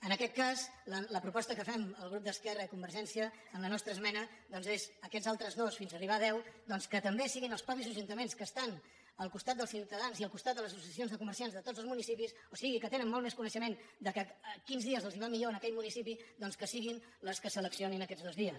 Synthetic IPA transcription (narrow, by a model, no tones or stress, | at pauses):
ənəkɛt̪̚kazlələpɾupɔst̪əkəfɛməlˠɣɾup̚d̪əskɛrəikumbəɾʒɛnsiəː | nlənɔst̪ɾəzmɛnəðɔnzezəkɛzalˠt̪ɾəzðosfinzəriβaðɛwd̪ɔnskət̪əmbesiɣinəlˠspɾɔpizəʒunt̪əmenskəst̪an | əlˠkust̪at̪̚d̪əlˠsiwt̪əðanziəlˠkust̪at̪̚d̪əlˠəzəsusiəsionzðəkuməɾsianzðət̪od͡zəlˠzmunisipis | osiɣikət̪enənmɔlˠmɛskunəʃəmend̪əkəkinzðiəzəlˠziβamiʎoənəkɛʎmunisipiðɔnskəsiɣin | ləskəsələksioninəkɛdd͡zðozðiəs